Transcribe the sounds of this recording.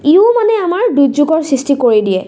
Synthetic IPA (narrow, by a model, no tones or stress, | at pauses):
iʊmanɛamaɹduzuɡɔɹsistikoɹidijɛ